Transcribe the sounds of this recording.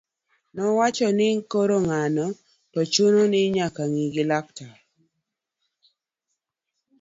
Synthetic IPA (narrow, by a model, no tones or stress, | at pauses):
nɔwat͡ʃɔnɪŋkoɾoŋanɔ | tɔt͡ʃʊnonɪɲakaŋiɡɪlak̚ta